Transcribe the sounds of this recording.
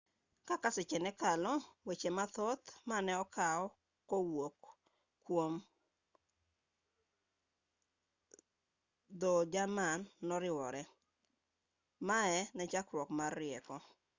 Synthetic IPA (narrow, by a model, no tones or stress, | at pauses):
kakasɪt͡ʃɛnɛkalɔwet͡ʃemat̪ɔt̪manɛɔkaɔ | kowokː | wom | d̪od͡ʒamanːɔɾɪwɔɾɛ | maɛnɛt͡ʃakɾwɔkmarːɪɛkɔ